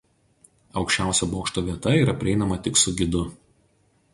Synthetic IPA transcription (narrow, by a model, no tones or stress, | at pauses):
ɒʊkʃʲt͡ʃʲæˑʊsʲoboːkʃt̪oːʋʲiɛt̪ɐiːɾɐpʲɾʲɪɛˑɪnɐmɐt̪ʲɪksʊɡʲɪd̪ʊ